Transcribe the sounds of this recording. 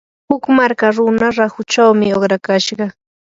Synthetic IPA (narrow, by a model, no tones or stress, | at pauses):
hʊkmaɾkaɾʊnaɾahʊt͡ʃawmɪoχɾakaʃɢɑ